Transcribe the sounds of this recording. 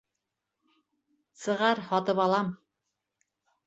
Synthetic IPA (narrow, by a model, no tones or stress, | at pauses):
sɤ̆ʁɑɾhɒt̪ɤpɑlˠɑm